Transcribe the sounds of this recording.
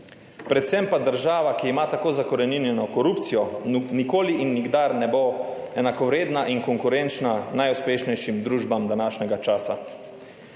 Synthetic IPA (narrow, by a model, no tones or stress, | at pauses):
pɾɛt̪sɛmpad̪əɾʒaːʋakiːmat̪akoːzakɔɾɛninjɛnɔkɔɾuːpt̪sijɔnikoːliʔinːiɡd̪aɾnɛboɛnakɔʋɾeːd̪naʔiŋkɔŋkuɾɛnt͡ʃnanajuspeːʃnɛjʃimd̪ɾuːʒbamd̪anaːʃnʲɛɡat͡ʃaːsa̰